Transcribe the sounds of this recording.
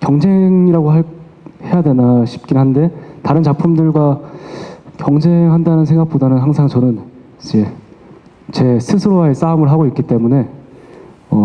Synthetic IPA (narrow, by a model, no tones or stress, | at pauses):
kjʌŋd͡ʑe̞ŋiɾaɡoɦa | he̞jadwe̞naɕʰi̥p̚k͈inɦande̞taɾɯnt͡ɕak̚pʰumdɯɭɡwa | kjʌŋd͡ʑe̞ŋɦandanɯns̬ʰe̞ŋɡak̚p͈odanɯnɦaŋsʰaŋt͡ɕʌnɯn | t͡ɕe | t͡ɕe̞sʰɯsʰɯɾoaes͈aumɯɭɦaɡoik͈it͈e̞mune̞ | ʌ